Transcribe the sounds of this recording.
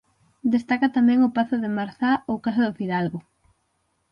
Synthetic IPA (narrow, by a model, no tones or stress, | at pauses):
d̪est̪akat̪amɛ̃ŋʊpaθʊðemaɾθaowkas̬aðʊfiðalɣʊ